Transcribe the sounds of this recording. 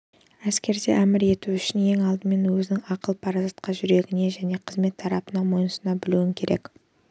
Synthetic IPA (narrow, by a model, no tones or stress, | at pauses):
æskʲe̞ɾd̪e̞̰ʔæmɪɾe̞t̪uʏʃɪnje̞ŋɑlˠd̪əme̞nwɵzɪnɪŋɑqəlˠpʰɑɾɑzɑt̪qɑʒʏɾe̞ɡʲɪne̞ʒæne̞qʰəzme̞t̪ʰːɑɾɑpənɑmo̞jnəsənɑbɪluɪŋkʲʰe̞ɾek